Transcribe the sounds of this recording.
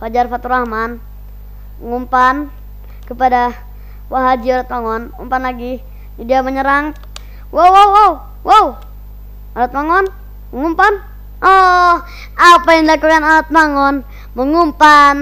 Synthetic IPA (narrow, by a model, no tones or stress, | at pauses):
fad͡ʒarfat̪uɾahman | ŋumpan | kəpada | waɦad͡ʒiɔɾat̪̚maŋɔnṵmpanlaɡi | diaməɲəɾaŋ | wowwawow | wow | aɾat̪̚maŋɔn | məŋumpan | ɔ | apajaŋdakukanaɾat̪̚maŋɔn | məŋumpan